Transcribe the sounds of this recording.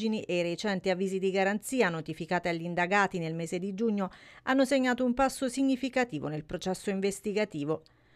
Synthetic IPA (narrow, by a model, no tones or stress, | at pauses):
d͡ʒiniʔejɾet͡ʃɛnt̪iavːiːzid̪iɡaɾant̪siːanot̪ifikaːt̪eaʎːind̪aɡaːt̪inelmeːzed̪id͡ʒuɲːo | anːoseɲːaːt̪oumpasːosiɲːifikat̪iːvo̰nelpɾot͡ʃɛsːoiɱvest̪iɡat̪iːvo